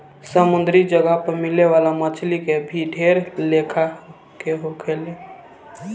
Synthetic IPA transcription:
səmund̪ʱɾid͡ʒəɡapəɾmileʋalamət͡ʃʰlikebʱiɖʱeɾlekʰa | keɦokʰele

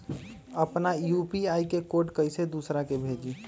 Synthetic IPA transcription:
əpnajupiaikekoʈkəjsed̪usɾakebʱeːd͡ʒi

